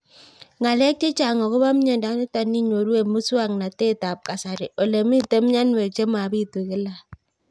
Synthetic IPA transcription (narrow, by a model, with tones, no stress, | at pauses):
ŋa˨le˦k̚t͡ʃe˦t͡ʃa˨ŋɔ˨ko˦ba˦m̩˦ɲe˨da˨˦i˦ta˨nːi˦ɲ˨o˨ɾu˦e˨mu˦su˦a˦˨ŋna˨te˦˨ta˨p̚ka˨sa˨ɾe˨ʔo˨le˨mi˦˨te˦m˦ɲa˦nwe˨t͡ʃe˦ma˨bi˦˨tu˨ke˦la˦˨